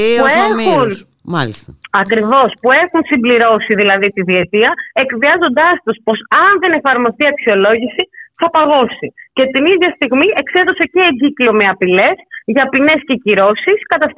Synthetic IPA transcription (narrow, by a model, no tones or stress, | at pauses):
puexun | mlist̪ɐkɾivo̞spue̞xunsimbliɾo̞siðilɐðit̪iðiet̪iɐe̞kðiɐzo̞nd̪ɐst̪uspo̞sɐnðe̞ne̞fɐɾmo̞st̪iɐksio̞lo̞ʝisiθɐpɐɣo̞sice̞t̪iniðʝɐst̪iɣmiʔe̞kse̞ðoseceːɲɟiklio̞me̞ɐpile̞sʝɐpine̞sce̞ciɾo̞siskɐt̪ɐf